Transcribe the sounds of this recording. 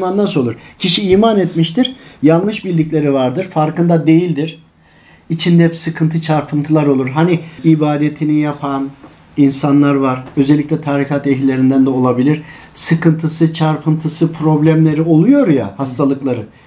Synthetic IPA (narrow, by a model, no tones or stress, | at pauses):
manːaso̞lˠuɾcʰiʃiiːmanet̪miʃt̪iɾjalˠmɯʃbilʲd̪iclʲe̞ɾivaɾd̪ɯɾfaɾkɯnd̪ad̪e̞jilʲd̪iɾ̥ | it͡ʃʰind̪ɛpsɯkʰɯnt̪ʰɯt͡ʃʰaɾpʰɯnt̪ʰɯlˠaɾo̞lˠuɾɦaniibaːd̪et̪ʰinijapʰan | insanlˠaɾvaɾø̞zɛlʲːicʲlʲɛt̪ʰaːɾikat̪ɛɦlʲe̞ɾind̪ænd̪ɛo̞lˠabilʲiɾ̥ | sɯkɯnt̪ʰɯsɯt͡ʃʰaɾpʰɯnt̪ʰɯsɯpʰɾo̞blʲæmlʲe̞ɾio̞lˠujo̞ɾja̰hast̪ʰalˠɯklˠaɾɯ